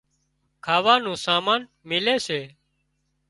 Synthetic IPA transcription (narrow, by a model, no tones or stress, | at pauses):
kʰaːʋaːnũːsaːmaːn | mɪleːseː